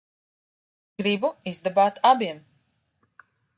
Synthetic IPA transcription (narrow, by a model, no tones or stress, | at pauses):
ɡ̥ɾibuizd̪abaːt̪abiɛm